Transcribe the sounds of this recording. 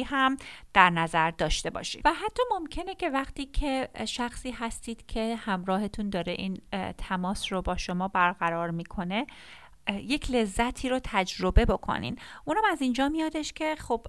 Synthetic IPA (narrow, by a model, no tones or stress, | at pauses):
ɦæmd̪̥æɾnæzæɾd̪ɒːʃt̪e̞bɒ̰ːʃḭːvæɦæt̪ʰːɒːmo̞mcʰe̞nece̞væxt̪iːcʰe̞ʃæxsiːɦæst̪iːd̪̥cʰe̞hæmɾɒːɦe̞t̪ʰund̪ɒːɾeʔiːnt̪ʰæmɒːsrobɒːʃo̞mɒːbæɾɣæɾɒːɾmiːkʰo̞ne̞ | je̞cʰle̞zːæt̪ʰiːɾot̪ʰæd͡ʒɾo̞be̞bo̞kʰo̰nḭːnʔunhæmæzind͡ʒɒːmijɒːd̪eʃcʰe̞xob̥